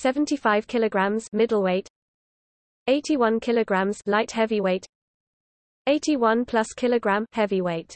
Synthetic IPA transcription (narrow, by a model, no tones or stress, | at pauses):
sɛvə̃ntʰifaɪv̥kʰɪləɡɹãmz̥mɪdəl̩ˠweɪt | eɪtʰiwʌ̃nkʰɪləɡɹãmz̥laɪthɛviweɪt | eɪtʰiwʌ̃npʰl̥ʌskʰɪləɡɹãmhɛviweɪt